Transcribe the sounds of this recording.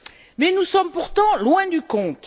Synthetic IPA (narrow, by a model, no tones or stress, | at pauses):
mɛnusɔmpuʁt̪ɑ̃lwɛ̃d̪ykɔ̃t̪